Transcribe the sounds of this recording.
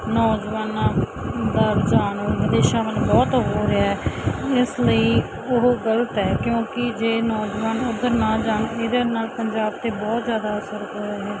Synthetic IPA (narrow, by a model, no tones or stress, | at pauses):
nɔːd͡ʒʋaːnãːd̪aːɾd͡ʒaːnoːʋəd̪eːʃãːmənd͡ʒbɔːt̪ɦoːɾeaɛɪsləiː | ʊɦɡələt̪ɛːkjõːkɪd͡ʒeːnɔːd͡ʒʋaːnʊd̪əɾnãːd͡ʒaːneːd̪eːnaːlpəɲd͡ʒaːbt̪eːbɔːt̪zjaːd̪aːəsəɾɦoːɾaːɦɛː